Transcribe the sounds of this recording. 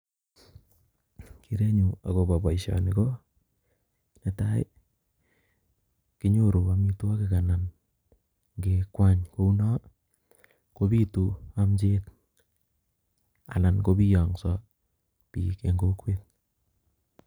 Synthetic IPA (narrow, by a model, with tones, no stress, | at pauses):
ki˨ɾe˦ɲu˨a˨ko˨ba˨ba˨iʃɔ̰˨ni˨ko˦ | ne˨ta˦ɪ̰˦ | kɪ˦ɲo˦ɾo˨a˨mi˦tu˦wa˦kɪka˨na˨n | ŋɡe˨kwa˦ɲko˦u˦nɔ˦ | ko˦bi˦tu˨a˦mt͡ʃet̚ | a̰˨la˨nko˦bi˦jɔ˨ŋsɔ˦ | pi˨ke˨ŋɡo˦kwe˦t̚